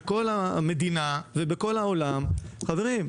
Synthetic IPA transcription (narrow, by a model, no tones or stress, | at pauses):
ko̞lame̞d̪inavebeko̞lao̞lamχaveʁim